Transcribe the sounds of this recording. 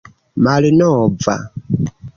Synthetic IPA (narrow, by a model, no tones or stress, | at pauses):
malinɔva̰